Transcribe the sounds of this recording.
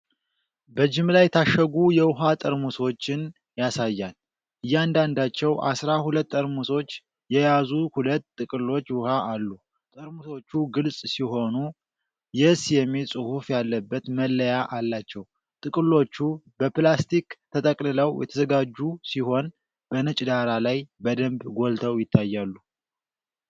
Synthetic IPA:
bəd͡ʒɪmlajɛt̪ʰaʃːəɡujɛwʊɦat̪ʼəɾmuso̞t͡ʃːɪn | jasajːal | ʔɨjːɪand̪and̪at͡ʃːɛwʔa̰sɾahulət̪ːʼəɾmuso̞t͡ʃː | jɛjazuhulət̪ːɨkʼɨlːo̞t͡ʃːwʊhaʔalːu | t̪ʼəɾmuso̞t͡ʃːuɡɨlsʼsiɦo̞nu | jɛsjɛmːilsʼɨhufjalːəbːət̪məlːəjaʔalːat͡ʃːɛw | t̪ʼɨkʼɨlːo̞t͡ʃːubəplast̪ʰikt̪ʰət̪ʼəkʼlɨləwjɛ̰t̪ʰəzəɡad͡ʒːusiho̞n | b̥ənɨt͡ʃʼd̪aɾalajbəd̪əmbɡo̞lt̪ʰəwjɪt̪ʰːajːalːu

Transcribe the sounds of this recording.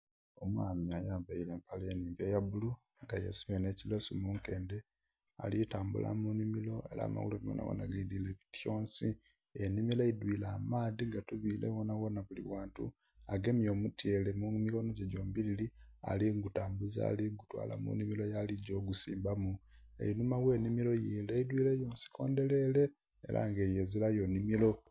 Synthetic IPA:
omwaːmjajaβailempaleniːmbjejabulu | ŋɡajesiβenecilesumuŋke̞ːnde | a̰litaːmbṵlʔa̰munimilo̞e̞̰la̰ːma̰wṵloɡo̰na̰wo̰na̰ɡaid̪ileβitjo̞ːnsi | enimilaidwilaːmaːðiŋɡatuβiːlḛwonawonaβulḭwaːntṵ | aɡe̞mijo̞ːmutjeːlemumiko̞noɟeɟo̞ːmbililia̰liŋɡutaːmbuza̰liŋɡutwa̰ːla̰mṵnimilo̞jaliɟo̞ːɡusḭːmbamuḛinumawe̞ːnimilo̞jileidwiːlejo̞ːnsi̥kʰo̞ːnde̞le̞le̞̰ː | lʔa̰ŋɡejezilajo̞nimilo̞

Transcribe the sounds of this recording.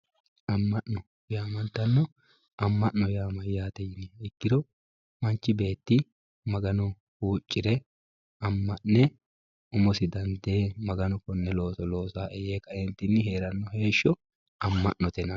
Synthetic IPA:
ʔɐmːɐʔnɔ | jaːmɐnt̪ːɐnːɔ | ɐmːɐʔnɔjaːmɐjjaːt̪ɛjɪnɛɪkːɪd̪ɔ | mɐnt͡ʃːɪbe̞ːt̪ːɪ | mɐɡɐnɔ | huːt͡ʃʼːɪɾɛ | ɐmːɐʔːɛ | ʊmɔsɪd̪ɐnd̪eːmɐɡɐnɔkɔnːɛlo̞ːsɔlo̞ːsaːʔɛjeːkʼɐjɛnt̪ːɪnːɪɦe̞ːɾɐnːɔhe̞ːʃːɔ | ɐmːɐʔnɔt̪ɛnɐ

